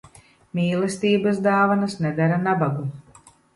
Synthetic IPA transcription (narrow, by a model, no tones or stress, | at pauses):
mʲiːlˠɛst̪iːbasd̪aːvanasnɛd̪aɾanabaɡu